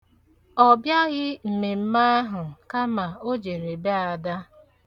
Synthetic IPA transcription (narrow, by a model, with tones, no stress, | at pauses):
ɔ˨bja˦ɣɪ˦m̩˨me˨m̩˦ma˦a˦ɦʊ˨ka˦ma˨o˦d͡ʒe˨ɾe˨be˦a˨da˦